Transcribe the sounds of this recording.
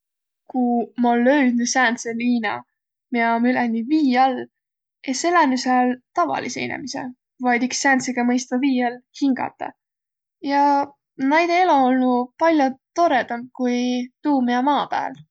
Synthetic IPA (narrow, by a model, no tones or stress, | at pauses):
kumɑlːø̞ɥd̪̚ny̥sæːnt̪seliːnɑ̰ | miɑomylenːiviːɑl | eselɑmysɑlt̪ɑvɑ̰lisḛjnḛmisḛ | vɑjd̪iksːæːnt̪seɡ̥ɑmɤjst̪ɑviːɑlhiŋɡ̥ɑ̰t̪ːˑɑ̰ | jɑ | næjd̪eeloolnupɑlʲjot̪o̞ɾet̪ɑm̚kujt̪uːmiɑmɑːpæ̰ːl